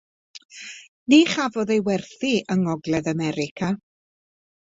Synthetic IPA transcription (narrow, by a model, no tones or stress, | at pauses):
niːχavɔðejwɛrθiʔəŋɔɡlɛðamɛɾɪkʰa